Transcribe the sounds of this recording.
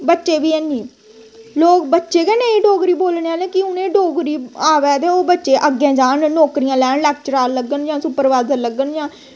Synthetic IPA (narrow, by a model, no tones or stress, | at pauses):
bətːʃeːbiːɛniː | loːk̚bətːʃeːkɛːnẽːiɖoːɡɾiːboːlɳːaːleːkɪʊnẽːɖoːɡɾiːaːʋɛːt̪eːoːbətːʃeːʔəɡẽːd͡ʒaːnnɔːkɾijãːlɛːnlɛːk̚t͡ʃəɾaːlːəɡənd͡ʒãːsʊpəɾʋaːzəɾləɡənd͡ʒãː